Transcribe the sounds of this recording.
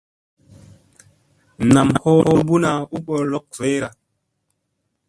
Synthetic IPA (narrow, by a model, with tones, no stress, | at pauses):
na˨mho˦ho˦bu˦na˨u˦ɓo˨lo˦k̚ve˨˦ɾa˨